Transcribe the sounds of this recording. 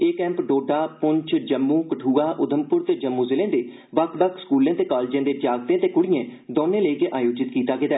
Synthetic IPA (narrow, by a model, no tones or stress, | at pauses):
eːkɛ̃ːmpɖoːɖaːpʊɲt͡ʃd͡ʒəmːuːkəʈʰuːaːʔʊd̪ʱəmpʊɾt̪eːd͡ʒəmːũːzɪlẽːd̪eː | ʋəkʰbəkʰskuːlẽːt̪eːkaːlːd͡ʒẽːd̪eːd͡ʒaːɡt̪ẽːt̪eːkʊɽɪjẽːd̪oːnẽːləiːkeʔaːjoːd͡ʒɪt̪kiːt̪aːɡɪd̪ɛː